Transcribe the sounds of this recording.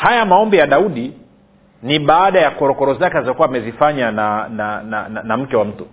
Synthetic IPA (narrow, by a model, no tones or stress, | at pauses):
hajamaɔmbijaɗauɗi | niɓaːɗajakɔɾɔkɔɾɔzakɛazɔkuwaːmɛzifaɲananana̰nanam̩kɛwam̩tu